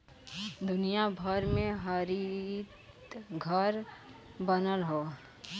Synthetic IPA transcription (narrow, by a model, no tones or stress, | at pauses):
d̪ʊnijabʱəɾmẽɦəɾit̪ | ɡʱəɾbənəlɦo